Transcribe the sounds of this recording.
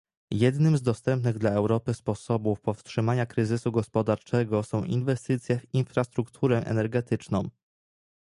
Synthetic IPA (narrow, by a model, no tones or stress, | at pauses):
jɛd̪nɘmzd̪ɔst̪ɛmpnɘɣd̪laɛwɾɔpɘspɔsɔbufpɔfstʂɘmaɲakɾɘzɘsuɡɔspɔd̪aɾt͡ʂɛɡɔsɔ̃w̃ʔinvɛst̪ɘt̪sʲjɛvinfɾast̪ɾukt̪ʰuɾɛʔɛ̰nɛɾɡɛt̪ɘt͡ʂnɔ̃w̃